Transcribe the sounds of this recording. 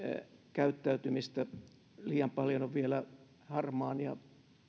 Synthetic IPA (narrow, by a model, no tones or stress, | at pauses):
kæyt̪ːæyt̪ymist̪æ | liːjɑmpɑljonoʋʋielæ | hɑrmɑːnjɑ̰